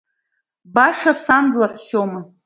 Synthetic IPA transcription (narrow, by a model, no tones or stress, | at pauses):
baʂasandlaħʷʃomɨ